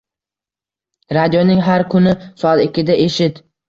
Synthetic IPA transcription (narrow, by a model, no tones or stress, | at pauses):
ɾad̪ijonɪŋɦaɾkʰʊnɪsɒɑt̪ɪkʲʰːɪd̪aʔe̞ʃɪt̪